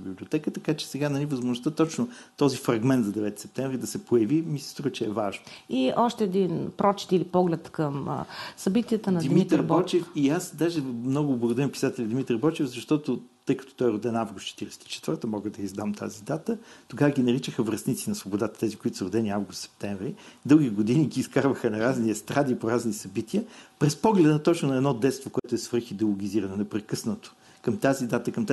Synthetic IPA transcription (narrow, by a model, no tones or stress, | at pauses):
biblʲiot̪ɛkət̪ɐkat͡ʃɛ̥sɛɡanɐlʲivəzmʊʒnʊst̪ət̪ɔt͡ʃnʊt̪ɔzifɾɐɡmɛnt̪zɐd̪ɛvɛt̪i̥sɛp̚t̪ɛ̃vɾid̪ɐsɛpojɐvimisɛ̥st̪ɾuvət͡ʃɛːvaʒnoiʔɔʃt̪ɛɛd̪inpɾɔt͡ʃɛ̥t̪ilipɔɡlɛt̪kəm̰sɐbit̪iədt̪ənɐd̪imit̪ɾbɔt͡ʃɛfiasd̪aʒɛmnɔɡʊblˠəɡʊd̪ɐɾimpi̥sat̪ɛlʲɐd̪imit̪ɾbɔt͡ʃɛvzɐʃt̪ɔt̪ʊt̪ɤjkɐt̪ɔ̥t̪ɔjɛɾʊd̪ɛnavɡʊst̪t͡ʃɛt̪iɾɛsɛ̥t̪i̥t͡ʃɛ̥t̪vəɾt̪əmɔɡəd̪ɐizd̪amt̪ʰa̰zid̪at̪ət̪oɡavəɡʲinɐɾit͡ʃəxəvɾɐsnit̪sinɐsvobod̪at̪ə̥t̪ɛzikʊit̪ʊ̥səɾʊd̪ɛniavɡʊst̪sɛ̥p̚t̪ɛɱvɾid̪ɤlˠɡʲiɡod̪iniɡiːskaɾvəxənɐɾazniɛst̪ɾad̪ipoɾaznisɐbit̪iəpɾɛspɔɡlɛd̪ət̪ɔt͡ʃnʊnɐɛd̪nɔd̪ɛt̪st̪vokʊɛt̪ʊɛsvɤɾxid̪ɛlˠoɡʲiziɾɐnonɛpɾɛkɤsnət̪o̥ | kɐmt̪azid̪at̪əkɐmt̪